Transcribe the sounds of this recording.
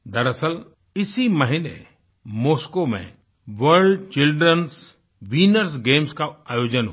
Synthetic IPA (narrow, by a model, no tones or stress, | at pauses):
d̪ɐɾəsəl | ɪsimɐɦinḛ | moːskomḛ̃ | ʋəɾɖt͡ʃɪlɖɾəns | ʋiːnəɾs̬ɡeːmskaaːjoːd͡ʒənɦ